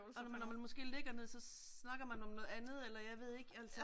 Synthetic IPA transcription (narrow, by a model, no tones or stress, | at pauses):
mnːɒmænmɒ̽sɡ̥e̝̰ːleɡ̥ɐne̝ð̞̰ˠsɒ̽ | nɑ̈ɡ̥ɐmænɒ̽mnɔ̽ːð̩ˠænð̞̩ˠelɐjɑ̈ɪʋe̝ð̞̰ˠe̝ɡ̥æl̰sə